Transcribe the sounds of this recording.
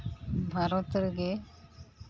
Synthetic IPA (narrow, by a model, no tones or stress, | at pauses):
bʱaɾɐt̪ɾɡe